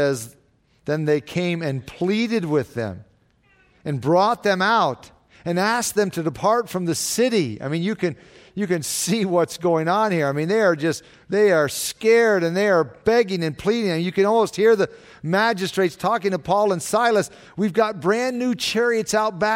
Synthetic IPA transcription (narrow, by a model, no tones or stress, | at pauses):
ɛz | ðɨ̃nðeɪkʰẽɪ̃mɨ̃npʰl̥iɾɨd̚wɪðɨ̰̃m | ɨ̃nbɹɔt̪̚ðɨ̃maʊɾ | ɨ̃næsk̚ðɨ̃mtʰɨdɨpʰɑɹtfɹʌ̃mðɨsɪɾia̰ɪmĩnjɨkɨ̃n | jɨkɨ̃nsiwʌtsɡ̥oʊɪ̃ŋə̃nhiɹaɪmĩnðeɪə˞d͡ʒʌst | ðeɪə˞skɛɹɾɨ̃nðeɪə˞bɛɡɪ̃ŋɨ̃npʰl̥iɾɪ̃ŋɨnjɨkɨ̃nɔlˠmoʊst̚hiɹðɨ | mæd͡ʒɨstɹ̥eɪtstʰɔkɪ̃ŋtʰəpʰɔlˠə̃nsaɪlˠəs | wivɡɑt̚b̥ɹæ̃nːʉt͡ʃʰɛɹiɨtsaʊt̚b̥æ